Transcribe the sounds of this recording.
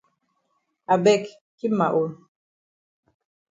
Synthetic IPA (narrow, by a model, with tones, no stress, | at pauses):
a˨bɛ˦˨k | ki˦ma̰˨ʔu˨l